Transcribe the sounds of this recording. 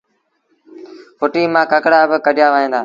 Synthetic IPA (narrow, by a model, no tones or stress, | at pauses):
fʊʈiːmãːkəkɽaːbɪkəɗɪjaːʋəːɦẽːnd̪aː